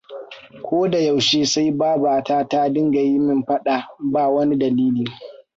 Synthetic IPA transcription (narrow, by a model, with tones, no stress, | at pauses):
kʷʰoː˦da˨ja˨wʃeː˦sa˦jbaː˦baː˨taː˦taː˦dɪ˦ŋɡa˨ji˦mɪ˦mɸɐ˦ɗa˨baː˦˨wɐ˦ni˦dɐ˨liː˦liː˨